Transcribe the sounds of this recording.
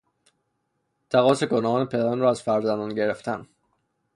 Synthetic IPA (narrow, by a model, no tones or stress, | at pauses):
t̪ʰæɣɒːseɡonɒːnepʰe̞d̪æɾɒnɾɒːæz̥fæɾzænd̪ɒnɟe̞ɾeft̪ʰæn